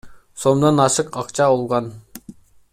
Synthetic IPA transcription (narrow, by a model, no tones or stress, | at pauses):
somd̪ɑnɑʃɯqɑqt͡ʃʰɑolˠʁɑn